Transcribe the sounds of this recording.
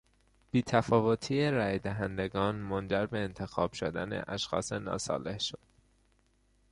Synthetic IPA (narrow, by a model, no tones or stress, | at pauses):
b̥iːt̪ʰæfɒːvot̪ʰiːeɾæːjd̪æɦænd̪e̞ɡɒːnmond͡ʒæɾbe̞ːnt̪ʰe̞xɒːb̥ʃod̪æ̰ne̞̰ʔæʃxɒ̰ːse̞nɒ̰ːsɒ̰ːlehʃo̞d̪